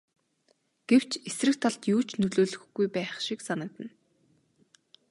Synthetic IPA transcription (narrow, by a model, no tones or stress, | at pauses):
ɡ̥ew̥t͡ɕesrɘ̆k̚t̪ʰaɮt̪juːt͡ɕnɵɮoːɮɵ̆xɡujpæːχʃiksanə̆k̚t̪ə̆n